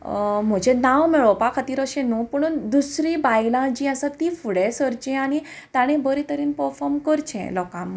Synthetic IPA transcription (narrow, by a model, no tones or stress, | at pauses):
m̤əd͡ʑenawmiɭɔpakʰat̪iːɾəɕẽnupəɽ̃und̪usɾibajlãd͡ʑĩasat̪ifuɽesəɾt͡ɕɛ̃aɽ̃i | t̪aɽ̃ẽbəɾit̪əɾiːnpəɾfɔɾmkəɾt͡ɕʰɛ̰̃lɔkãm